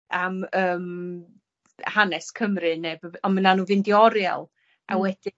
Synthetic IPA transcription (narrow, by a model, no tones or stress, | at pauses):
aməːm | hanɛskʰəmrɨnebɔmənanuːvɨndɪɔɾja̰lˠ | ʔawɛd̥ɨ